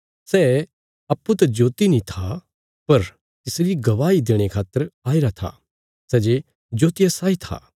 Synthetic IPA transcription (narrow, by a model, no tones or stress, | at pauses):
sɛː | ɐpːut̪ɐd͡ʒoːt̪inĩt̪ʰa | pɐɾ | t̪ɪsɾiɡɐʋaːid̪eːɽ̃ekʰaːt̪ːəɾaːɪɾat̪ʰa̰ | sɛːd͡ʒe | d͡ʒoːt̪ɪjasaːit̪ʰa̰ː